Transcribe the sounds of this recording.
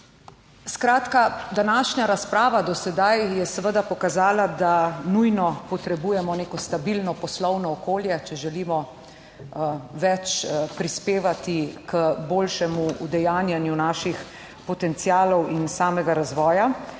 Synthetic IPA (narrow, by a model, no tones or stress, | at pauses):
skɾaːt̪kad̪anaːʃɲaɾaspɾaːʋad̪ɔsɛd̪ajjɛsɛʋəd̪apɔkazaːlad̪anujnɔpɔt̪ɾɛbuːjɛmɔneːkɔst̪abilnɔpɔslɔwnɔːkoːljɛt͡ʃɛʒɛliːmɔ | ʋɛt͡ʃpɾispeːʋat̪ikəboːlʃɛmuud̪ɛjaːnjanjunaːʃix | pɔt̪ɛnt̪sijaːlɔwinsaːmɛɡaɾazʋɔːja